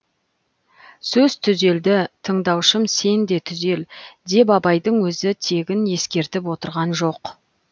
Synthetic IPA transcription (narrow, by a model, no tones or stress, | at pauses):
sɵz̥t̪ʰʏze̞ld̪ɪt̪ʰəɴd̪ɑwʃəmse̞nd̪e̞t̪ʰʏze̞ld̪e̞bɑbɑjd̪əɴwɵzɪt̪ʰe̞ɡʲɪnje̞skʲe̞ɾt̪ɪp̬wo̞t̪əɾʁɑnʒo̞q